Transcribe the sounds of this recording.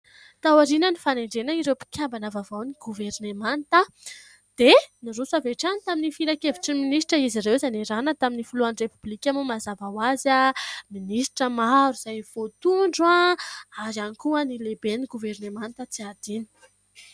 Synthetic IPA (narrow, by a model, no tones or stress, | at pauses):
t̪awaɾinənifaneɳɖ͡ʐenəiɾewpi̥kʰʲambanavavawniɡuveɾnemant̪ə | d̪̥eniɾusaveʈ͡ʂanit̪aminifiɾakeviʈ͡ʂiminisʈ͡ʂəiziɾewzaneɾanət̪aminifuluanrepublikʲamumazavawazaminisʈ͡ʂəmaɾuz̥ajv̥ot̪uɳɖ͡ʐaaɾanikuənilebeniɡuvernemant̪ət͡siad̪̥ini̥